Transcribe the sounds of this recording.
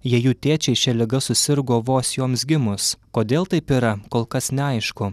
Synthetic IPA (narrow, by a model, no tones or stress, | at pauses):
jiɛjuːt̪ʲeːt͡ʃʲɛɪʃʲɛlʲɪɡɐsʊsʲɪɾɡoːʋoːsjoːmsɡʲɪmʊskoːd̪ʲeːlˠt̪ɐɪpiːɾɐkoːlˠkɐsnʲɛɐɪʃkʊ